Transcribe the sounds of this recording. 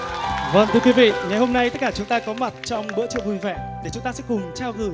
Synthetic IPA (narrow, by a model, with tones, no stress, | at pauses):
və̰˧˨nt̪ʰɨ˧əkwi˨˦vḭ˧˨ŋa˨˩jho˧mna˧jt̪t̚kaː˧˩t͡ɕʊ˨˦ŋ͡mt̪aː˧kɔ˨˦ma˨˩t̚t͡ɕɔ˧wŋ͡mɓɨ̰˧˥t͡ɕɨ̰˧˨ŋvu˧˩jvɛ̰˧˨ɗe˧˩t͡ɕʊ˨˦ŋ͡mt̪aː˧sɛ̰˧˥kʊ˨˩ŋ͡mt͡ɕaː˧wɣɨ˧˩j